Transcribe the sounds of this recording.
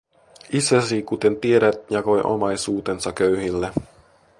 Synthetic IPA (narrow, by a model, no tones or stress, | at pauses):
isæsikut̪e̞nt̪ie̞ɾæt̪jɑko̞jʔo̰mɑjsuːt̪e̞nsɑkøɥɦilːe